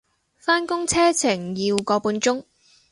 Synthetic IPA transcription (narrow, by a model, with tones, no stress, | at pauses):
faː˥nkʊ˥ŋt͡sʰɛː˥t͡sʰɪ˨˩ŋjiː˧wkɔː˨˧puː˨˧nt͡ʃʊ˥ŋ